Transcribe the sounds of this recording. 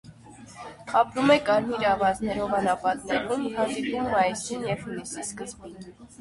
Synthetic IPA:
ɑpɾumɛkɑɾmiɾɑvɑt͡snɛɾɔvɑnɑpɑt̪nɛɾumhɑnd̪ipumːɑjsinjɛvhunisiskəzbin

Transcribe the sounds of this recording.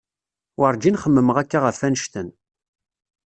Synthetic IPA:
wəɾˤd͡ʒinχəmːəməʁækːaʁəfːænʃt̪ən

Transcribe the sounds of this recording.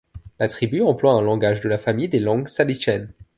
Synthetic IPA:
lat̪χibyɑ̃plwaɛ̃lɑ̃ɡaʒd̪əlafamijd̪elɑ̃ɡsaliʃɛn

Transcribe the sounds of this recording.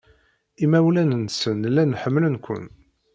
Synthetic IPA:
imæwlænənsənlːænħəmːlənkʷə̰n

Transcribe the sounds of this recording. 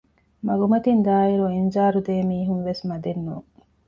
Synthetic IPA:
mɐɡumɐt̪ind̪aːiɾuend͡ʒaːɾud̪eːmiːɦunʋesmɐd̪enːṵːŋ

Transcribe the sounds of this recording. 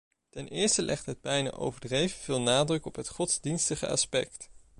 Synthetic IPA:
tɛnʔɪːɹstəlʔɛχtɦəd̚bɛjna̰ːʔo̰wvəɹdrejvəv̥ɪːlˠnaːdrɵkɔpɦətχɔtz̥dinstəχə̰ɑ̰spɛkt

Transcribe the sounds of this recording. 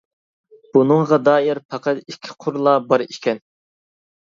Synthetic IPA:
b̥unɨŋʁɑd̪ɑːjiɾpʰɑqɑt̪ikʲʰːi̥qʰʊɾlˠɑbɑɾikʲʰɛn

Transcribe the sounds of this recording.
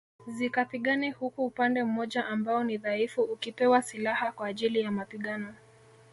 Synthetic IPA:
zikapiɠanihukuːpandɛm̩mɔʄaʔambaɔniðaifuukipɛwasilahakwaːʄilijamapiɠanɔ

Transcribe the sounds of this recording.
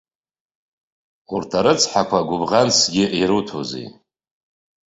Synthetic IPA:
urtʰaɾɨt͡sʰħakʷʰaɡʷʊbʁant͡sʰɡʲɪʔiɾutʰozḛj

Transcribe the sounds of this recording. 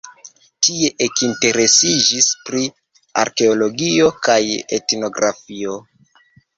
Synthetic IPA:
tie̞ʔekinte̞ɾe̞sid͡ʒispɾi | a̰ɾke̞o̞lo̞ɡio̞kajḛtno̞ɡɾafio̞

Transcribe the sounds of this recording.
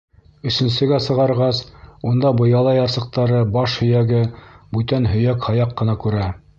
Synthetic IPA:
ɵ̆sɵ̆nsɘ̆ɡæsɤ̆ʁɑɾʁɑsund̪ɑbɤ̆jɑlˠɑjɑɾsɤ̆q̚t̪ɑɾɤbɑʃhɵ̆jæɡɘbʉt̪ænɦɵ̆jækhɑjɑqːɤ̆nɑkʉɾæ

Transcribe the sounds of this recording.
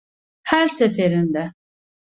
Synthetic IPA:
hæɾsefeɾind̪ɛ

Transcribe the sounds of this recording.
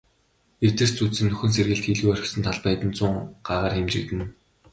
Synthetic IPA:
ew̥t̪ɘ̆r̥st͡sut͡ssɘ̆nːɵxɵ̆nserɣɘ̆ɮt̪xiɮɣujœr̆ʲxsɵ̆nt̪ʰaɮpæːt̪ɘ̆nt͡sʊɴɢ̥aːʁaːrxemt͡ɕɪ̆kt̪ɘ̆n

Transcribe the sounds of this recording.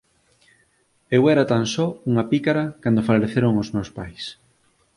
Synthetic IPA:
ewɛɾat̪ansɔuŋɐpikaɾakand̪ofaloɾeθeɾoŋozmewspajs

